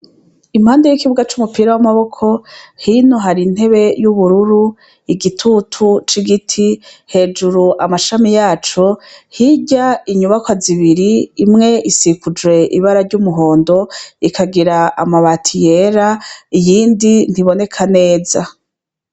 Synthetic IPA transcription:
im̥haːndejikiβuɡat͡ʃumupiːɾawamaβo̞kʰo̞hinoɦaɾin̥he̞βe̞juβuɾuɾu | iɡitʰutʰut͡ʃiɡitʰihe̞ːd͡ʒuɾuʔamaʃamijaːt͡ʃo̞hiɟaiɲuβakwaziβiɾiːmŋe̞ʔisikud͡ʒwe̞ʔḭβaɾaɾɟumuɦo̞ːndo̞ikʰaɡiɾaa̰maβatʰije̞ɾaijiːndin̥iβo̞ne̞kʰane̞ːza

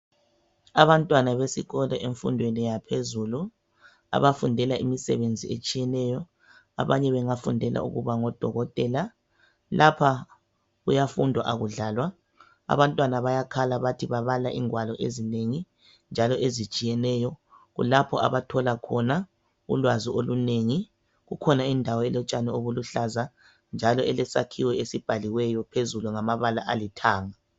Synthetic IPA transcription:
aβantʼwanaβesiɣɔlɔʔeɱfundʱwenijapʰezulu | a̰βafundʱɛlaʔimisɛ̰βend͡zʱiet͡ʃʼijɛnɛjɔ | a̰βaɲɛβɛŋafundʱɛlʔa̰ṵɣuβaŋɔd̥ʱɔɣɔtʼɛːla | lʔapʰa | ɣujafundʱwa̰ʔaɣuɮaːlwa | a̰βantʼwanaβajakʰalaβatʰiβaβalaʔiŋwalɔʔḛzineŋi | nd͡ʒʱalɔʔezit͡ʃʼijɛnɛjɔɣṵlapʰɔa̰βatʰɔlakʰɔna | ṵlwazioluneŋi | ɣukʰɔnaindʱawɔɛlɔt͡ʃʼanɛoβuluɬaza | nd͡ʒʱalɔɛlɛsa̰kʰiwɛesib̥ʱaliwɛjɔpʰezuluŋamaβalaʔalitʰaːŋa

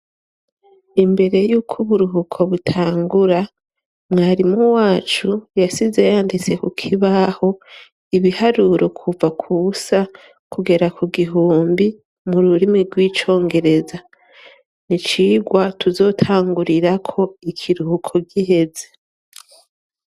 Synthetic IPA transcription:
imbe̞ɾe̞juːkʰuβuɾuɦukʰo̞βutʰaːŋɡuɾa | mŋaːɾimuwaːt͡ʃujasize̞jaːndit͡se̞kukʰiβaho̞ | iβihaɾuɾʔo̞kʰuvakʰusa | kuɡe̞ɾakʰuɡiɦuːmbi | muɾuɾimiɾɡwiːt͡ʃo̞ːŋɡe̞ɾe̞za | nit͡ʃiːɡwatʰuzo̞ːtʰaːŋɡuɾiɾakʰo̞ikʰiɾuhukʰo̞ɟiɦe̞ze

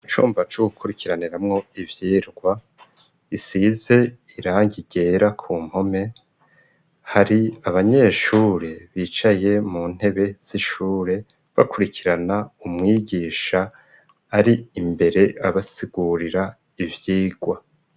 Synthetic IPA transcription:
it͡ʃṵːmbat͡ʃoɡukʰuɾikʰiɾaniɾamŋo̞ivjiːɾɡwa | isize̞ | iɾaːŋɟiɡe̞ːɾakʰuːm̥ho̞me̞ | haɾiaβaɲe̞ːʃuːɾe̞βiːt͡ʃaje̞muːn̥he̞βe̞z̥iʃuːɾe̞ | βa̰kuɾikʰiɾanaumŋiːɡiːʃaː | ɾiimbe̞ɾe̞ʔaβasiɡ̥uɾiɾa | ivjiːɡwa

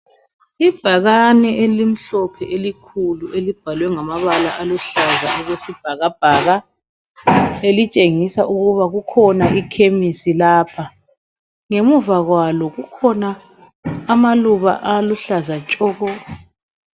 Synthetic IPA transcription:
ib̥ʱaɣanɛʔelim̩ɬɔpʰɛʔelikʰuluʔelib̥ʱalwɛŋamaβala̰ʔaluɬazaʔɔɣwesib̥ʱaɣab̥ʱaɣa | elit͡ʃʼeŋisaʔuɣuβaɣukʰɔnaʔikʰemisilaːpʰa | ŋemuvaɣwalɔɣukʰɔnaː | maluβa̰ʔaluɬazat͡ʃʼɔːɣɔː

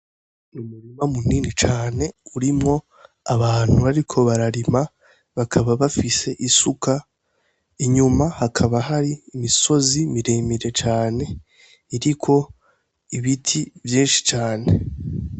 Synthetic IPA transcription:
numuɾimamuniːnit͡ʃaːne̞uɾimŋo̞ | aβaːn̥huβaɾikʰo̞βaɾaɾima | βakʰaβaβafise̞ʔisuka | iɲumahakʰaβaɦaɾiːmiso̞zimiɾemiɾe̞t͡ʃaːne̞ | iɾikʰo̞ | iβitʰivjiːnʃi̥t͡ʃaːne̞

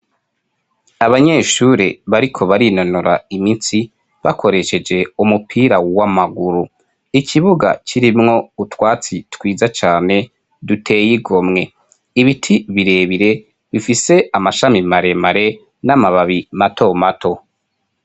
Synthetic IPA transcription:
aβaɲe̞ʃuɾeβaɾikʰo̞βaɾino̞noɾaiminsi | βa̰kʰo̞ɾe̞ʃe̞d͡ʒe̞umupʰiːɾawamaɡuɾu | ikʰiβuɡa̰t͡ʃiɾimŋo̞utwaːt͡sitwiːzat͡ʃaːne̞ | dutʰe̞ːjiɡo̞mŋe̞ | iβitʰiβiɾe̞ːβiɾe̞ | βifise̞amaʃamimaɾe̞maɾe̞ | namaβaβimatʰo̞matʰo̞

